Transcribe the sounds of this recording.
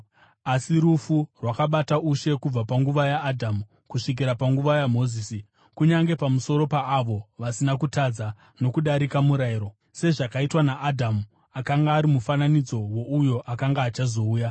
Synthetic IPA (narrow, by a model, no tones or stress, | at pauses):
asiɾufurwakaɓatauʃe̞kub͡vapaŋɡuʋajaːdʱamu | kuʂik̬iɾapaŋɡuʋajam̤o̞ziːsi | kuɲaŋɡe̞pamuso̞ɾo̞paːʋo̞ʋasinakutad͡za | no̞kuɗaɾikamuɾaiɾo̞ | se̞ʐakaitwanaʔːdʱamu | akaŋɡaːɾimufananid͡zo̞wo̞ujo̞ʔakaŋɡaːt͡ʃazo̞uːja